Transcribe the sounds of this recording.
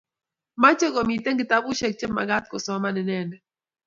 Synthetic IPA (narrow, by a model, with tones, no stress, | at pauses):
ma˦t͡ʃe˦kɔ˨mi˨tɛ˦ŋɡɪ˨ta˦bʊ˦ʃɛ˨k̚t͡ʃe˦mːa̰˨ɡa˦t̪̚kɔ˨sɔ˨˦ma˦nɪ˨nɛ˨nɛ˨